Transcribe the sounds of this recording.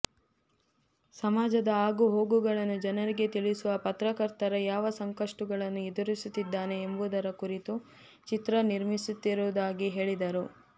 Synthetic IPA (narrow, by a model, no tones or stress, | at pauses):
sɐmaːd͡ʒɐd̪ɐaːɡuɦo̞ːɡuɡɐɭɐnːud͡ʒɐnɐɾiɡe̞t̪iɭisuʋɐpɐt̪ɾɐkɐɾt̪ɐɾɐjaːʋɐsɐŋkɐʂʈuɡɐɭɐnːuid̪uɾisut̪ːid̪ːaːne̞ːmbud̪ɐɾɐkuɾit̪u | t͡ʃit̪ɾɐniɾmisut̪ːiɾuːd̪aːɡiɦe̞ːɭid̪ɐɾu